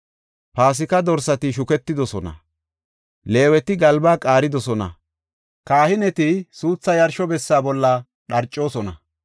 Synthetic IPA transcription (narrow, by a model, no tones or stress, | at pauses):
paːs̬ɪkɐd̪ɔɾsɐt̪ɪʃ̬ʊkɛt̪ːɪd̪ɔsɔnɐ̰ | le̞ːwɛt̪ɪɡɐlbaːkʼaːɾɪd̪ɔsɔnɐ̰ | kaːhɪnɛt̪ɪsuːt͡sːɐjɐɾʃɔbɛsːaːbɔlːɐ | ɗɐɾt͡ʃʼːo̞ːsɔnɐ